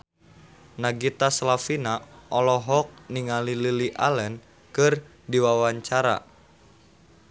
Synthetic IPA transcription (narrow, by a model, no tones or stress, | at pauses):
naɡit̪aslafinaʔɔlɔɦɔk̚niŋalililiʔalɛn | kɨr | diwawaɲt͡ʃaɾa̰